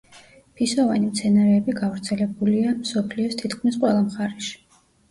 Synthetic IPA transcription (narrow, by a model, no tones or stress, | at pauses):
pʰisɔvanimt̪sʰɛnaɾɛːbiɡavɾt̪sʰɛlɛbuliamsɔpʰliɔst̪ʰit̪kʰmisqʼwɛlˠamχaɾɛʃi̥